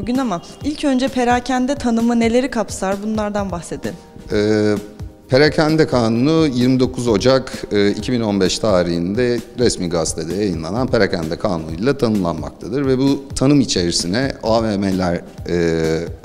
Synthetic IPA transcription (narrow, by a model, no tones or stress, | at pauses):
buɟʲynamailʲcʰø̞nd͡ʒɛpʰe̞ɾaːcʰænd̪ɛt̪ʰanɯmɯne̞lʲe̞ɾikʰapsaɾbunlˠaɾd̪anbaxse̞d̪in | ɛːpʰe̞ɾacʰænd̪ɛkʰaːnunujiɾmid̪o̞kʰuzo̞d͡ʒakɯːicʰibino̞nbɛʃt̪ʰaːɾihind̪ɛɾɛsmiɡast̪ʰed̪ɛjajɯnlˠa̰nanpʰeɾacʰænd̪ɛkʰaːnulˠat̪ʰanɯmlˠa̰nma̰k̚t̪ʰad̪ɯɾvɛbut̪ʰanɯmit͡ʃʰe̞ɾisinɛaːmemelʲæɾɛ